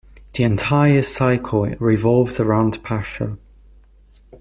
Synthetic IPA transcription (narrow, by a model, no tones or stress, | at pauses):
ðiɛ̃ntʰaɪəsaɪkʰlɹɪvɒlˠvz̥əɹãʊ̃ndpʰaʃə̰